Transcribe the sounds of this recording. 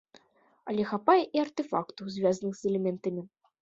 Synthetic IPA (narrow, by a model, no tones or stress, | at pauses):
ɐlʲɛxapajɛʔiɐrt̪ɛfakt̪uwzʲvʲazɐnɨxzɛlʲɛmʲɛnt̪ɐmʲi